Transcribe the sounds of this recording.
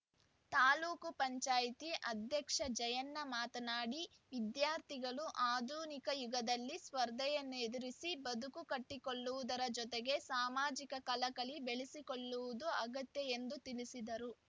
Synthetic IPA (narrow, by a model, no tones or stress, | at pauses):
t̪aːluːkupɐɲt͡ʃaːjit̪iʔɐd̪ʱjɐkʂɐd͡ʒɐjɐnːɐmaːt̪ɐnaːɽi | ʋid̪jaːɾt̪iɡɐɭuʔaːd̪uːnikɐjuɡɐd̪ɐlːispɐɾd̪ʱɛjɐnːued̪iɾisibɐd̪ukukɐʈːikoɭːuʋud̪ɐɾɐd͡ʒɔt̪eɡe̞saːmaːd͡ʒikɐkɐlɐkɐɭibeɭisikoɭːuʋud̪uɐɡɐt̪jɐend̪ut̪ilisid̪ɐɾu